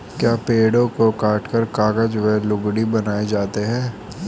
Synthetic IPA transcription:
kjaːpeːɽõkokaːʈʰkəɾkaːɡəd͡ʒʋelʊɡɽibɐnaːed͡ʒaːt̪eɦɛ̃ː

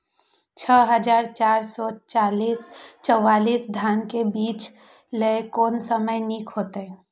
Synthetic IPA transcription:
t͡ʃʰəɦəd͡ʒaːɾt͡ʃaːɾsɔt͡ʃaːliːst͡ʃɔwaːliːsd̪ʱjaːnkebiːt͡ʃ | ləkɔːnsəməjniːkʰɦoːt̪eɦɛː

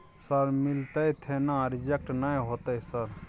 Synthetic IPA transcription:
sɐɾmɪlt̪ait̪ʰenãɾɪd͡ʒek̚ʈnaĩɦot̪aisəɾ

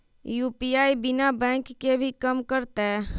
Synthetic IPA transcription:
juːpiaːibɪnabɛ̃ːkːebʱikəmkəɾt̪eɦɛ

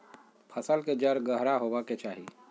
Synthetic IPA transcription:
pʰəsəlked͡ʒəɾɡəɦɾaɦoːʋaket͡ʃaːɦiː

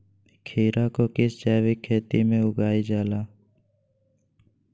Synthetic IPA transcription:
kʰiːɾakokɪst͡ʃaːʋikʰːeːt̪imẽʊɡaːid͡ʒaːlaː

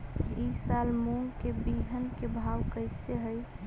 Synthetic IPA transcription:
isalmuŋɡkebiɦənkebʱawkəɪseɦəj

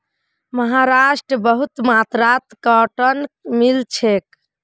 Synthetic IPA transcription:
məɦaɾasʈɾəbəɦut̪mat̪ɾat̪kɔʈənmilt͡ʃʰek̚

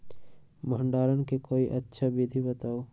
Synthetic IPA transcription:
məɦəɳɖaːɾənkekoːiʔətːʃʰabid̪ʱibət̪aːo

